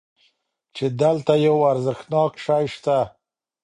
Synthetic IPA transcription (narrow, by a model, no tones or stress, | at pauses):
t͡ʃed̪əlt̪ajawaɾzɪxnɑkʃɑjʃt̪a